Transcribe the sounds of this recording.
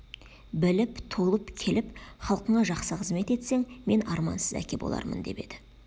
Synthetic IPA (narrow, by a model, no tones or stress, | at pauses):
bɪlɪpt̪ʰolˠəpkʲʰe̞lɪpχɑlˠqəɴɑʒɑqsəqʰəzme̞t̪e̞t̪se̞ŋme̞nɑɾmɑ̰nsəzæ̰kʲe̞bo̰lˠɑ̰ɾmə̰nd̪e̞pe̞d̪ɪ